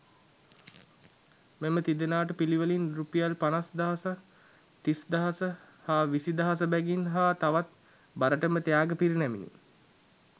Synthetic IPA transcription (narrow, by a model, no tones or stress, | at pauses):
memət̪id̪enaːʈəpiliʋəlinɾupijalpanasd̪aɦasə | t̪isd̪aɦasə | haːʋisid̪aɦas̬əbɛɡinɦaːt̪aʋat̪ | baɾəʈəmət̪ejaːɡəpiɾinɛminḭ